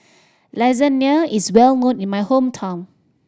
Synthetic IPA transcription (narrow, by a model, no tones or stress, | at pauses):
lazəniəiswɛlnõnĩnmajhõmtʰãn